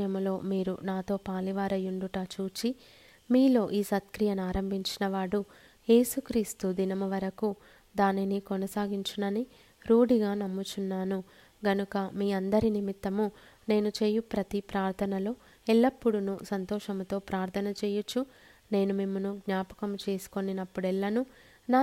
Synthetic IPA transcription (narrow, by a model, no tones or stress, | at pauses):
jɐmlo̞ːmiːɾṵnaːt̪o̞ːpaːliʋaːɾɐjuɳɖuʈɐt͡ʃuːt͡ʃi | miːlo̞ːʔiːsɐt̪kɾijɐnaːɾɐmbʱiɲt͡ʃinɐʋaːɽu | je̞ːsukɾiːst̪ud̪inɐmɐʋɐɾɐku | d̪aːninikɔnɐsaːɡiɲt͡ʃunɐni | ɾuːɽiɡaːnɐmːut͡ʃunːaːnu | ɡɐnukɐmiːɐnd̪ɐɾinimit̪ːɐmu | ne̞ːnut͡ʃe̞ːjupɾɐt̪ipɾaːɾt̪ʰɐnɐloː | ɛɭːɐpːuɽunusɐnt̪ɔːʃɐmt̪o̞ːpɾaːɾt̪ʰɐnɐt͡ʃeːjut͡ʃːu | ne̞ːnumimːunuɡɲaːpɐ̥kɐmt͡ʃe̞ːsu̥ko̞ninɐpːuɽɛɭːɐnu | naː